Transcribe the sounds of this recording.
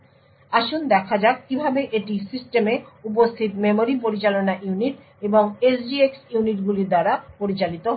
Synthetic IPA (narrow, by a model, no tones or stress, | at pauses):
aʃond̪ɛkʰad͡ʑakibʱabeʔeʈisisʈemeup̬ost̪ʰit̪memoɾipoɾit͡ɕalonaʔjuniʈ | eboŋesɖieksuniʈɡuliɾd̪aɾapoɾit͡ɕalit̪oɦ